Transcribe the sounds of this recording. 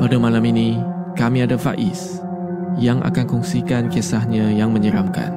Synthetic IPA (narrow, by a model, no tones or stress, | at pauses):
padamãlaminĩ | kamĩadafa̰ʔɪs | jaŋʔa̰kankɔŋsikankesahɲãjaŋmə̃ɲəɾamka̰n